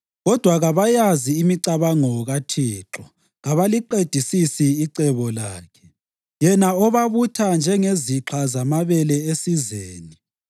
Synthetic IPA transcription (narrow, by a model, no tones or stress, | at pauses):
ɣɔd̥ʱwaɣaβajaziːmiǀaβaŋɔɣatʰiːǁɔ | ɣaβaliǃed̥ʱisisiːǀɛβɔlaːkʰɛ̥ | jɛnaɔβaβutʰand͡ʒʱɛŋeziǁʰazamaβɛlɛesizeːni